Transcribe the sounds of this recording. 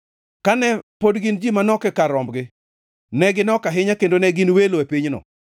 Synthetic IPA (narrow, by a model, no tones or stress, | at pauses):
kanɛpodɡɪnd͡ʒimanɔkɛkaɾɔmbɡɪ | nɛɡɪnɔkaɦɪɲakendonɛɡɪnweloepiɲnɔ̰